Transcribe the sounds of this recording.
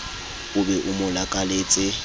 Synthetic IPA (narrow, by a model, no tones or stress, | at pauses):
ʊbɛʔʊmʊlakʼaleːt͡sʼɪ